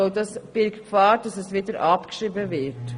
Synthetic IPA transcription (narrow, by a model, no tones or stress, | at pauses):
oʊdɑsb̥ɪlkkʰfɑːɾd̥ɑsɛsvɪdəɾʔɑpkʃɾiːbəvɪt